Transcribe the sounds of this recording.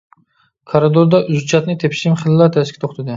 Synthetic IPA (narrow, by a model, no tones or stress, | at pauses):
kʰaɾod̪oɾd̪aʔʊzt͡ʃʰat̪nɪt̪ʰepʰʃɪmχɪllːaɾt̪ʰæʃkʲɪt̪ʰoχt̪ʰad̪ɪ